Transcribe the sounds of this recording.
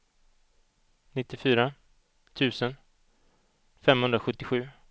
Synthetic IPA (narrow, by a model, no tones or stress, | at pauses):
nɪt̪ːɪfyːɾa | t̪ʰʉ̟ːsən | fɛmhɵnd̪ɾaɧɵt̪ːɪɧʉ̟ː